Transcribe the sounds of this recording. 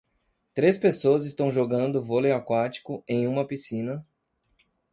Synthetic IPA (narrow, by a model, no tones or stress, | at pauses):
t̪ɾespesoɐzɪst̪ɐ̃w̃ʒoɡɐ̃nd̪ʊvoleakwat͡ʃi̥kʊẽj̃ũmɐpisĩnɐ